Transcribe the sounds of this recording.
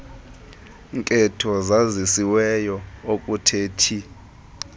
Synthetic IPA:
ŋkʼɛtʰɔzazisiwɛjɔokʼutʰeːtʰi

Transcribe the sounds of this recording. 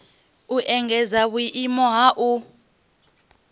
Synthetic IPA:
uʔɛŋɡɛzawwiʔimɔɦaʔu

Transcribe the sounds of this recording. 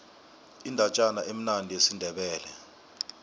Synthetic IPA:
indʱat͡ʃʼanaʔem̩nandʱiesindʱɛɓɛːlɛ̰

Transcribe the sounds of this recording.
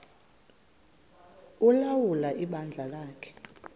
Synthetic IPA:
ulawulaʔiɓand͡ɮʱalaːkʰɛ̥

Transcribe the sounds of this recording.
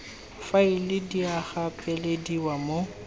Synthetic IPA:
failɪdiaχapʼɛlediwamo

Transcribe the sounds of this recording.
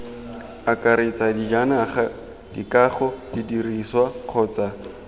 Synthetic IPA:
akʼaɾet͡sʼadid͡ʒanaχa | d̥ḭkaχɔdidiriswaq͡χʰɔːt͡sa

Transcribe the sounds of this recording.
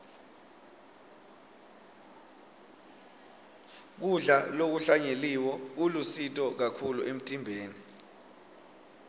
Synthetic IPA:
k̬uɮalok̬uɬaɲeliwɔulusitʼɔk̬akʰuluʔem̩tʼimbʱeːni

